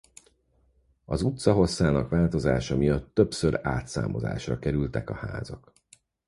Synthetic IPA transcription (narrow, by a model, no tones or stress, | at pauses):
ɒzut̪sɒɦo̞sːaːnɒkʋaːlt̪o̞zaːʃɒmijɒt̪ːø̞psøɾaːt̪sa̰ːmo̞̰za̰ːʃrɒkɛɾylt̪ɛkɒha̰ːzɒk